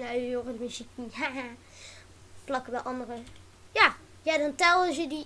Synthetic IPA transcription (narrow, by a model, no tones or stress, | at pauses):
najoʁədəmyzikniha | flɑkəbɛʔɑndərə | ja | jadɑntɛlˠzədi